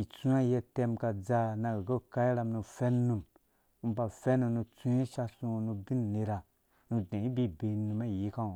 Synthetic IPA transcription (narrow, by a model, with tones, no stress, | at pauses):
i˨t͡su˦a˦˨jɛ˧tɛ˧mka˧d͡za˧na˧ɡɡo˦ka˦i˦ɾa˧mnu˧fɛ˦nnu˧m | u˦˧˦ba˧fɛ˦nu˧nu˧t͡su˦je˦ʃa˧sũ˧o˧nu˧bi˦n˨ne˧ɾa˨ | nu˧dẽ˨i˦bi˦˨be˧˨˧nu˧ma˦˨ji˨˦ka˦o˨